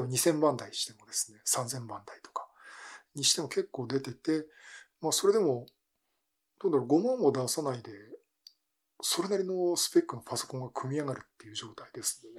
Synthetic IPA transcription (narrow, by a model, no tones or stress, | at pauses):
baɲ̟isẽ̞mbãnd̪aiɕi̥t̪e̞mo̞d̪e̞sɨ̥ne̞sãnzẽ̞mbãnd̪ait̪o̞̥kḁ | ɲ̟iɕi̥t̪e̞mo̞ke̞kːo̞ːd̪e̞t̪e̞t̪e̞maːso̞ɾe̞d̪e̞mo̞ | d̪̥o̞ːnd̪aɾoɡo̞mõmmːo̞d̪asanaid̪e̞ | so̞ɾe̞naɾʲino̞sɨ̥pe̞kːɯ̟no̞paso̞̥kõŋɡakʰɯ̟mʲiaɡaɾɯ̟t̪ːe̞jɯ̟ʑo̞ːt̪aid̪e̞sɨ̥none